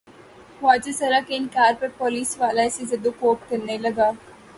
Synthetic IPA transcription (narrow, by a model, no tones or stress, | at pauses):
ʋaːd͡ʒesɐɾakeɪnkaːɾpɐɾpɔːliːsʋaːlaɛsezɐd̪ukoːp̚kɐɾnelɐɡaː